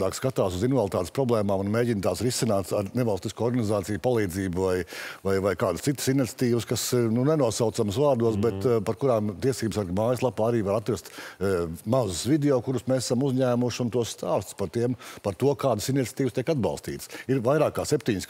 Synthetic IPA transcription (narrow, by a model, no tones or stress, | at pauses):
d̪aːkskat̪aːsuzinvalˠt̪aːt̪espɾɔblˠɛːmaːmunmeːɟint̪aːsɾisinaːt̪saɾnevalˠst̪iskuːɔɾɡanizaːt̪sijpalˠiːd̪ziːbuvajvajvajkaːd̪əst̪it̪ːə̥sinit̪sʲḁt̪iːʋəskasnunenuɔsawt̪samsʋaːɾd̪uɔs̬bɛt̪paɾkuɾaːmt̪iɛsiːbsaɾɡmaːjslˠapaːaɾiːʋaɾat̪ɾast̪ | mazʊsvid̪eɔːkuɾusmeːsasamuzʲɲæːmuʃunt̪uɔsst̪aːst̪spaɾt̪iɛmpaɾt̪uɔkaːd̪əsinit̪sʲḁt̪iːvst̪iɛkad̪bɑ̰lˠst̪ḭːt̪ə̥siɾvajɾaːkaːsep̚ʲt̪iɲs